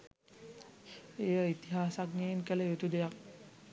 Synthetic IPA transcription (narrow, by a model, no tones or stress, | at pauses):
ejəit̪iɦaːsakneənkələjut̪ud̪ejak̚